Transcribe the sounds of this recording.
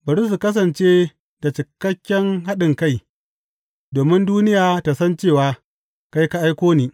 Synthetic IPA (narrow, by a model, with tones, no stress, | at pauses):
bɐ˨ɾʊ˦s̬u˨kɐ˦s̬ɐ˨nt͡ʃeː˦ | da˨t͡ʃɪ˨kːɐ˦kʲːɛ˦ŋɦa˦ɗɪ˨ŋka˦˨j | doː˨mɪ˦nduː˦nɪ˦jaː˨ta˨sɐ˦nt͡ʃeː˦˨waː˨ | ka˦jka˦ʔa˦jkʷoː˦niː˦